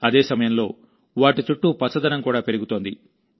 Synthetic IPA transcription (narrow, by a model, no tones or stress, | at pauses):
ɐd̪e̞ːsɐmɐjɐmlo̞ː | ʋaːʈit͡ʃuʈːupɐsːɐd̪ɐnɐmkuːɽaːpe̞ɾiɡut̪o̞ːnd̪ḭ